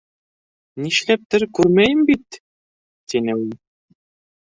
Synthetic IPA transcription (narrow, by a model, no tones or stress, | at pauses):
niʃlæp̚t̪ɘɾkʉɾmæjɘmbit̪ | t̪inɘulˠ